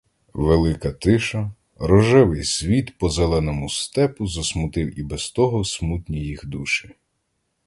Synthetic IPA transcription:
ʋelˠɪkɐt̪ɪʃɐ | ɾɔʒɪʋɪjsʲʋʲit̪pɔzɛlˠɛnɔmʊst̪ɛpʊzɐsmʊt̪ɪwibɛst̪ɔɦɔsmut̪ʲnʲijixd̪uʃɪ̥

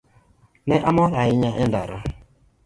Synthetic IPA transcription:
nɛʔamɔɾaɪɲaʔɛndaɾɔ

